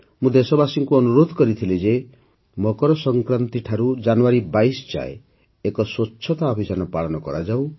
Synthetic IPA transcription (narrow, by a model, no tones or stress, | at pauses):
mũd̪esɔbasiŋkuɔnuɾod̪ʱɔkɔɾit̪ʰiled͡ʒe | mɔkɔɾɔsɔŋkɾant̪iʈʰaɾud͡ʒanuaɾibajsɔ̥t͡ʃa̰ḛ | ekɔswotːt͡ʃʰɔt̪aɔbʱisanɔpaɭɔnɔkɔ̰ɾad͡ʒaw